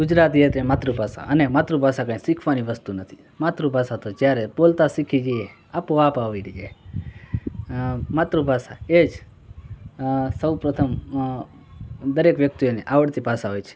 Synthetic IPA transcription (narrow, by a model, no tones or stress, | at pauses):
ɡʊd͡ʒɾat̪iət̪ɾemat̪ɾupasa̰ʔənemat̪ɾũbʱasakãːisikʰʋaniʋəst̪unət̪ʰi̥ | mat̪ɾũbʱasat̪od͡ʒjaɾebolt̪asikʰid͡ʒie | apoapaʋiɾd͡ʒe | mat̪ɾupasa̰ed͡ʒ | səwpɾət̪ʰəm | d̪əɾekʋjək̚t̪ioneʔaʋəɽt̪ipasaɦojt͡ʃʰe̥